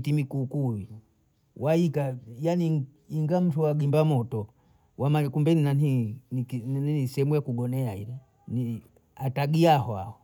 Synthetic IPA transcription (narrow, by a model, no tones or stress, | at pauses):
timikuːkuwi | wʔaikajani | iŋɡam̩tuwaɡimbamɔtɔ | wamakumbɛninanininninisɛmujakuɡɔnɛaḭɾɛ | ni | ataɡiahɔa̰hɔ